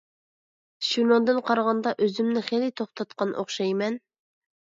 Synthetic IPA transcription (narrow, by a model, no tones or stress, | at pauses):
ʃunod̪ɨnqʰɑɾʁɑnd̪ɑʔøzymnɪχelit̪ʰoχt̪ʰɑt̪qɑnʔo̰χʃɑjmɛn